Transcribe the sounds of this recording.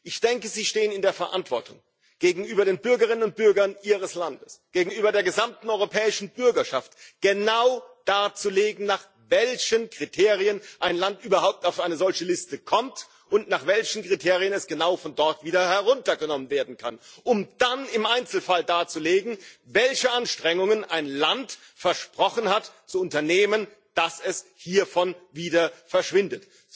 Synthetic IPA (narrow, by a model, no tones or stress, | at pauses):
ʔɪçd̥ɛŋkəziːʃteːənɪndeːɐfɛɐʔa̰ntv̥ɔɐtʰʊ̰ŋ | ɡ̥eːɡŋ̩ʔyːbɐɾeːnbʏɐɡɐʁ̞ɪnənʊnt̚b̥ʏɐɡɐnʔiːʁ̞əslandəsɡ̥eːɡŋ̩yːbɐdeːɐɡəzamtn̩ɔʏʁopʰɛːɪʃn̩bʏɐɡɐʃaftɡ̥ənaʊd̥aːt͡suleːɡŋ̩naːχ | vɛlçənkʁ̥itʰeːʁiənʔaɪnlantʔyːbɐhaʊp̚taʊfʔaɪnəzɔlçəlɪstəkʰɔmt | ʔʊntnaːχv̥ɛlçn̩kʁ̥itʰeːʁiənɛsɡ̥ənaʊfɔndɔɐtv̥iːdɐhɛʁʊntɐɡənɔmənveːɐdn̩kʰanʔʊmd̥anɪmʔaɪnt͡sl̩faldaːt͡suleːɡŋ̩vɛlçəʔanʃtʁ̥ɛŋʊŋənʔaɪnlant | fɛɐʃpʁ̥ɔχən̩hatt͡suʊntɐneːmən | d̥asɛshiːɐfɔnviːdɐfɛɐʃv̥ɪndət